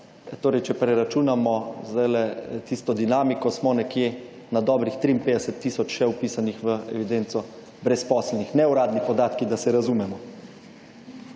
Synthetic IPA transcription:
t̪oːɾɛjt͡ʃɛpɾɛɾat͡ʃuːnamɔzd̪ajlɛt̪ist̪ɔd̪inaːmikɔsmɔnɛkje | nad̪ɔːbɾixt̪ɾiːnpeːd̪ɛsət̪ːisɔt͡ʃʃɛupiːsanixʋəɛ̰ʋid̪ent̪sɔ | bɾɛspɔːslnixnɛuɾaːd̪nipɔd̪aːt̪kid̪asɛɾazumɛmɔ

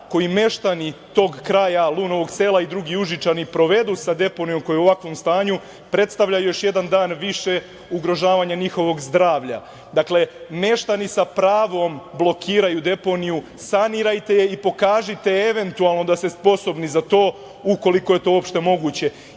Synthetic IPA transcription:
ko̞jime̞ʃt̪anit̪o̞ːɡkɾajalˠuːno̞ʋo̞ɡseːlaid̪ɾuɡiuʒit͡ʃanipɾo̞ʋe̞d̪usad̪e̞po̞nijo̞mko̞jeoʋakʋo̞mst̪aːɲu | pɾe̞t̪st̪aʋʎajujo̞ʃje̞d̪and̪aːnʋiʃe̞ | uɡɾo̞ʒaːʋaɲaɲixo̞ʋo̞ɡzd̪ɾaːʋʎa̰ | d̪akle̞me̞ʃt̪anisapɾaːʋo̞mblˠo̞kʰiːɾajud̪e̞po̞niju | saniːɾajt̪e̞jeipo̞kaːʒit̪e̞eʋe̞nt̪ualˠno̞d̪ast̪e̞spo̞so̞bnizat̪o̞ː | uko̞liko̞je̞t̪oo̞pʃt̪e̞mo̞ɡut͡ɕe̞

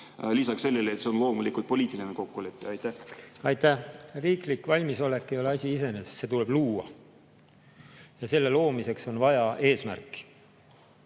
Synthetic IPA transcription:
lisɑksselːelet̪seonlo̞ːmulikult̪̚po̞lʲiːt̪ilineko̞kːule̞pːˑiɑjt̪æhɑjt̪ːæhriːklikːvɑlʲmiso̞le̞kːˑejo̞leɑsʲiise̞nest̪se̞t̪̬ule̞b̥luːɑ | jɑse̞lːe̞lo̞ːmise̞kso̞nvɑjɑʔe̞ːsmæ̰rkːˑi̥

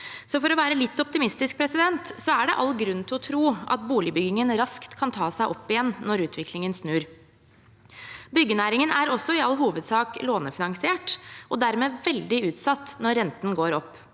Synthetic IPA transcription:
sɔfɔɾɔʋæːɾəlɪt̪ːɔp̚t̪ɪmɪst̪ɪsk̚pʰɾɛsɪd̪ɛnt̪sɔæɖɛ̰ʔɑlːɡɾʉnt̪ʰɪlɔt̪ʰɾuːɑ̰t̪̚buːlɪbʏɡɪŋənɾɑskt̪kʰɑnt̪ʰɑːsæɪʔɔpːɪjɛnːnːɔɾʉːt̪ʰʋɪkʰlɪŋənsnʉːɾ | bʏɡːənæːɾɪŋənæɾɔsːɔɪɑlːɦuːʋəd̪sɑːkloːnəfɪnɑŋsɪeːʈʔɔd̪æɾmeːʋɛld̪ɪʉːt̪sɑt̪ːnɔɾːɛnt̪n̩ɡoːɾɔpː

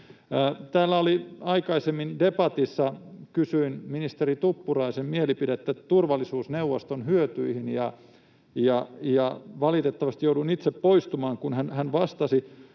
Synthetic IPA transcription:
t̪æːlːæoliɑikɑisemːindepɑt̪isːɑkysyinminist̪erit̪upːurɑisemmielipidet̪ːæt̪urʋɑlːisuːsneuʋːost̪onhyøt̪yihinjɑ | jɑjɑʋɑlit̪et̪ːɑʋɑst̪ijouduinit̪seppoist̪umɑːŋkunhænhænʋɑst̪ɑsi

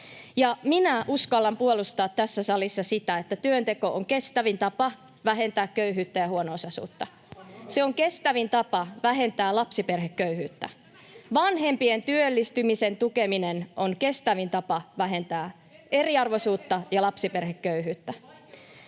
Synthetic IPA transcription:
jɑminæʔuskɑlːɑmpuolust̪ɑːt̪tːæsːæsɑlisːɑsit̪æet̪ːæt̪yønt̪eko̞ʔoŋke̞st̪æʋint̪ɑpɑ | ʋæɦe̞nt̪æːkkøyɦyːt̪ːæjɑhuonoosɑsṵːt̪ːɑ | seoŋke̞st̪æʋint̪ɑpɑʋæɦe̞nt̪æːlɑpsiperhekkøyhyːt̪ːæ | ʋɑnɦe̞mpient̪yølːist̪ymisent̪ukeminenʔoŋke̞st̪æʋint̪ɑpɑʋæɦe̞nt̪æː | ʔe̞riɑrʋo̞suːt̪ːɑjɑlɑpsiperhekkøyɦyːt̪ːæ

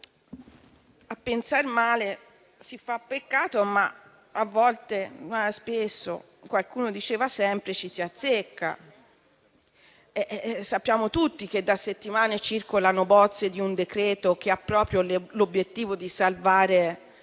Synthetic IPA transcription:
apːensarmaːle | sifapːekːaːt̪oma̰ | avːɔlt̪enɛspesːo̰ | kwalkuːnod̪it͡ʃɛːvasɛmpɾet͡ʃisiat̪sːekːa̰ | ɛsapːjaːmot̪ut̪ːiked̪ːaset̪ːimaːnet͡ʃirkolanobɔt̪sːed̪iund̪ekɾɛːt̪ok̟eapːɾɔːpɾjollobːjet̪ːiːvod̪isalvaːɾe

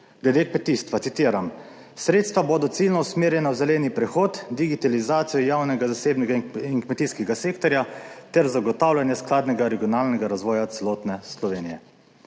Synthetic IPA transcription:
ɡlɛd̪eːkmɛt̪iːst̪ʋat̪sit̪iːɾam | sɾeːt̪st̪ʋaboːd̪ɔt̪silnɔusmeːɾjɛnawzɛlɛːnipɾɛxoːt̪d̪iɡit̪alizaːt̪sijɔjaːwnɛɡazaseːbnɛɡaiŋkmɛt̪iskɛɡaseːkt̪ɔɾjat̪ɛɾzaɡɔt̪aːwlʲanjɛsklaːd̪nɛɡaɾɛɡijɔnaːlnɛɡaɾazʋɔːjat̪sɛlɔːt̪nɛslɔʋeːnijɛ

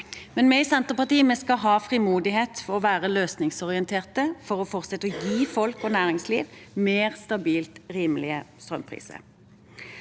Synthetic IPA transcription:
mɛnmɛɪɪsɛnt̪əʁpɑʁt̪iːəmɛskɑɦɑːfʁimuːd̪ɪheːt̪fɔʁɔʋæːʁəløːsnɪŋsɔʁɪɛnt̪ʰeːʁt̪əfɔʁɔfɔʁt̪sɛt̪ːəɔjiːfɔlkɔːnæːʁɪŋsliːʋmeːʁst̪ɑbiːlt̪ʁiːməlɪəst̪ʁœ̰mpʰʁḭːsə̰

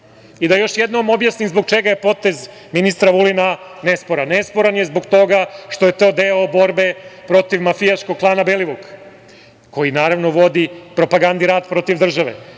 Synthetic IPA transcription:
id̪ajo̞ʃjed̪nomo̞bjasnimzbo̞ɡ̚t͡ʃeɡaje̞po̞t̪e̞z | minist̪ɾaʋulinanespoɾanːespo̞ɾanjezbo̞ɡt̪o̞ɡaʃt̪o̞je̞t̪o̞ːd̪eobo̞ɾbe̞pɾo̞t̪iʋmafijaʃkoɡ̚plˠaːnabeliʋuk | ko̞jinaːɾaʋno̞ʋo̞d̪ipɾo̞paɡand̪iɾaːd̪pɾo̞t̪iʋd̪r̩ʒaʋḛ

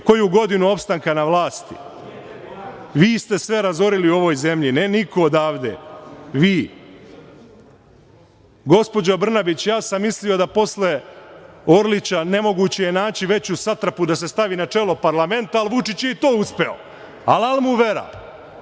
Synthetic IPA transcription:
ko̞juɡo̞d̪inuo̞pst̪aŋkanaʋlˠaːst̪ḭ | ʋiːst̪e̞sʋe̞ɾazo̞ɾiliuo̞ʋo̞ːjze̞mʎinenikoːd̪aːʋd̪ḛʋiː | ɡo̞spo̞d͡ʑobr̩nabit͡ɕjaːsamːislio̞d̪apo̞sle̞ | o̞ɾlit͡ɕane̞mo̞ɡuːt͡ɕejenaːt͡ɕiʋe̞t͡ɕusat̪ɾapud̪ase̞st̪aʋiːnat͡ʂe̞ːlo̞paɾlame̞nt̪aːlˠʋut͡ʃit͡ɕjeit̪o̞ːuspe̞o̰ | alalˠmuʋe̞ɾa̰

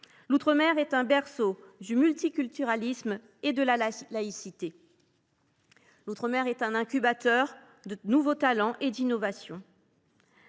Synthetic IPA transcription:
lut̪χəmɛʁɛt̪ɛ̃bɛʁsod̪ymylt̪ikʲylt̪yʁalism | ed̪əlalaisit̪e | lut̪χəmɛʁɛt̪ɛ̃nɛ̃kʲybat̪œʁ | d̪ənuvot̪alɑ̃ʔed̪inɔvasjɔ̃

